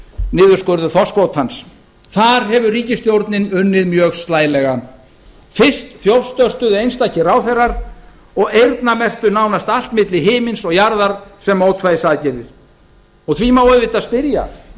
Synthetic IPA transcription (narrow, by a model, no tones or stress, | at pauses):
nɪːðʏ̥skœɾðʏθɔskvowt̪hans | θaɾ̥ɦɛvʏriːcɪst̪jowɾt̪nɪnʏnːɪðmjœːɣst̪laːjlɛɣa | fɪr̥st̪θjovst̪œr̥t̪ʏðejnst̪ahcɪraːwθɛrːaɾ | ɔɣejɾt̪namɛr̥t̪ʏnaːwnast̪al̥t̪mɪt̪lɪɦɪːmɪnsɔɣjaɾðaɾ̥sɛmːoːwt̪faːjðɪsaðcɛɾɪɾ̥ | ɔɣθvimaːwðvɪt̪aðspɪɾja̰